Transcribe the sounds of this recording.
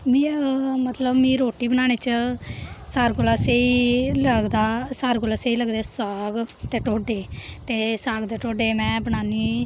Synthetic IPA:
mĩːmət̪ləbmĩːɾoːʈiːbənaːñeːt͡ʃə | saːɾɡolaːseiləɡd̪aːsaːɾkolaːseiːləɡd̪eːsaːɡt̪eːʈoːɖeːt̪eːsaːɡd̪eːʈoːɖeːmɛ̃ːbəñaːniː

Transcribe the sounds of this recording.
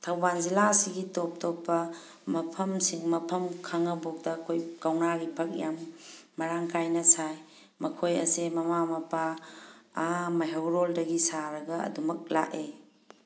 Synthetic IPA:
tʰawbanzilasiɡitop̚topːɐ | mɐpʰɐmsiŋmɐpʰɐmkʰaŋɐbok̚dɐkʰojkawnaɡibʰʱɐk̚jamː | ɐɾaŋkajnɐsaj | mɐkʰojɐ̰semɐmamɐpa | amɐɦewɾoldɐɡisaɾɐɡɐɐ̰dumɐk̚la̰ʔe

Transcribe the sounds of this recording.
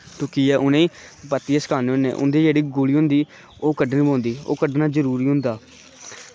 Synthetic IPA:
t̪oːkijɛːʔʊnẽːpət̪ːiaːsə̥kʰaːneːʊ̃nḛːʔʊ̰nd̪eːd͡ʒeːɽiːɡʊliːɦʊ̃nd̪iː | oːkəɖnĩːbõːnd̪iːo̰ːkəɖnaːzəɾuːɾiːɦʊ̃nd̪aː

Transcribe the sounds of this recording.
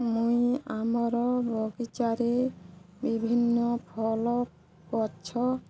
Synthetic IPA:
mũjamɔɾɔbʱɔɡit͡ʃaɾe | bibʱinːɔpʰɔlɔ | kɔt͡ʃʰɔ

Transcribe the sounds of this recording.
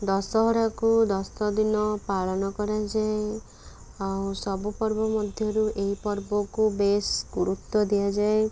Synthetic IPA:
d̪ɔsɔɦɔɾakud̪ɔst̪ɔd̪inɔpaɭɔnɔkɔɾad͡ʒae | awsɔbupɔɾbɔmɔd̪ʱjɔɾuʔeɦipɔɾbɔkubesɡuɾut̪ːɔd̪ijad͡ʒae

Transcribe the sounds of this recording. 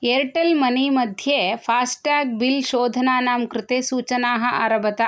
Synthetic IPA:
eɾʈɐlmɐnimɐd̪ʱjepʰaːsʈaːk̚bilʃoːd̪ʱɐnaːnaːmkɾɪt̪eːsuːt͡ʃɐnaːɦɐ̆ʔa̰ːɾɐbɐt̪a

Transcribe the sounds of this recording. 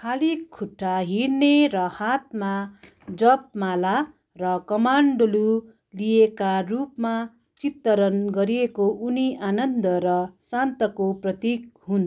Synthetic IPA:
kʰalikʰːuʈʰːaɦiɾnerʌhat̪̚ma | d͡zʌp̚mala | rʌkʌmaɳɖolu | lijekarupma | t͡sit̪ːʌɾʌnɡʌɾiekoʔuniʔanʌnd̪ʌɾʌsant̪ʌkoprʌt̪ik̚ɦun

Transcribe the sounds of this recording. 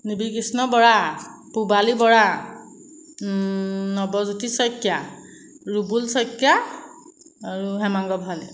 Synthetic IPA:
nibikisnɔbɔɹapubalibɔɹa | nɔbɔzutisɔjkja | ɹubulsɔjkja | aɹuɦɛmaŋɡɔbʱalɛ

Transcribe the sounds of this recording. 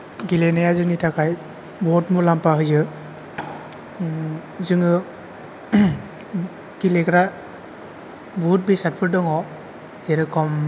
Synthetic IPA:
ɡilenajazɯŋitʰakʰaj | bɔtmulampaɦɯjɯ | zɯŋɯ | ɡ̥ilekɾa | but̚bisat̚pʰɯɾ̚dɯŋɔ | zeɾɯkʰɔm

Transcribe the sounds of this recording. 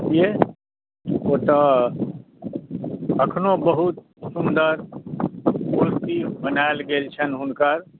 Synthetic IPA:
ije | ot̪ə | əkʰnobəɦut̪ | sund̪əɾ | bult̪ibənaelɡelt͡ʃʰənɦunkəɾ

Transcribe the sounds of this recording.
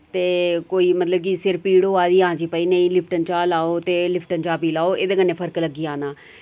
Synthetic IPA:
t̪eːkoːiːmət̪ləb̚kiːsɪɾpiːɽoːaːd̪iːãːd͡ʒiːpəiːnə̃ĩːlɪpʰʈənt͡ʃaːlaːoːt̪eːlɪpʰʈənt͡ʃaːpiːlaːoːʔeːd̪eːkənːẽːpʰəɾkləɡiːaːnaː

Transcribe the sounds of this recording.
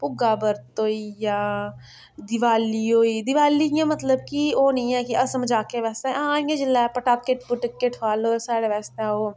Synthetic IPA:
pʊɡaːbəɾt̪oːijaː | d̪ɪʋaːlioːiːd̪ɪʋaːlijãːmət̪ləb̚kioːnɐĩɛ̃ːkiɐsəmd͡ʒaːkeʋɛːst̪eɛ̃ãːjãd͡ʒɪlːaːɛpəʈaːkːeʈpʊʈɪkːeʈʰaːloːsaːɽeʋɛːst̪eɛ̃oː

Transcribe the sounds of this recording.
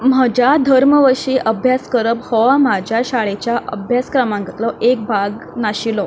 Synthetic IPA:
m̤əd͡ʑad̪ʱəɾməʋəɕiːʔəbʱjaskəɾəphɔʋam̤ad͡ʑʱjaɕaɭet͡ɕjaʔəbʱjaskɾəmãŋɡət̪lɔʔek̚bʱaɡnaɕilɔ

